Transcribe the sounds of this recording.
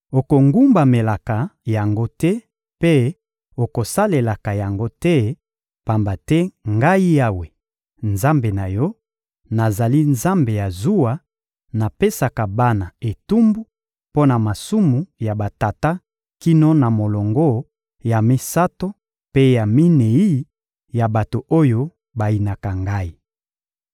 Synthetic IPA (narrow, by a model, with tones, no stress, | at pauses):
o˨ko˨ŋɡu˦mba˨me˨la˨ka˨ja˨ŋɡo˦tɛ˦ | pe˦ | o˨ko˨sa˦le˨la˨ka˨ja˨ŋɡo˦tɛ˦ | pa˨mba˨tɛ˦ŋɡa˦i˦ja˦we˨ | nza˦mbe˨na˨jɔ˦ | na˨za˨li˦nza˦mbe˨ja˨zu˦a˨ | na˨pe˦sa˨ka˨ba˦na˨e˨tu˦mbu˦ | po˦na˨ma˨su˦mu˨ja˨ba˨ta˨ta˦ | ki˦no˦na˨mo˨lɔ˨ŋɡo˦ | ja˨mi˦sa˦to˦ | pe˦ja˨mi˦ne˨i˦ | ja˨ba˨to˨ʔo˦jo˦ | ba˨i˨na˨ka˨ŋɡa˦i˦